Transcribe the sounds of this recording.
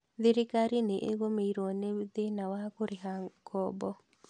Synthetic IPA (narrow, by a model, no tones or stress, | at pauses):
d̪ɪɾɪkaɾineʔeɡomeiɾoned̪enawakʊɾɪɦaŋkɔbɔ